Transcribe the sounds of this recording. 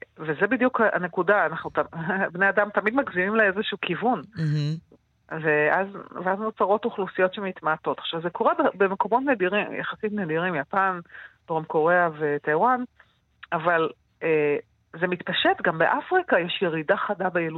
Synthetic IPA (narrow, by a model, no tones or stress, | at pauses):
vezebidjukaa̰nekudaːnaχnut̪abnead̪amt̪amid̪maɡzimimleezeʃuːkivun | veʔazveazmot͡saʁo̞t̪uχlusijo̞tʃemit̪maːt̪o̞t̪χʃavzekʰo̞ʁebebemeko̞mo̞tned̪iʁimja̰χasitned̪iʁimjapandoʁomko̞ʁe̞ave̞t̪ajwan | aval | e | zemit̪paʃetɡambeʔafʁikajɛʃjeʁidaχadabejelu